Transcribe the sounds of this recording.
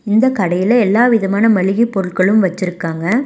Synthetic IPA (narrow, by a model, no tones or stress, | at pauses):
ɪnd̪ɐkɐɽɐjɪlɐɛlːaːʋɪðɐmaːnɐmɐɭɪɣipːɔɾɯɭkɐɭɯmʋɐt͡ʃːɪɾɯkːaːŋɡɐ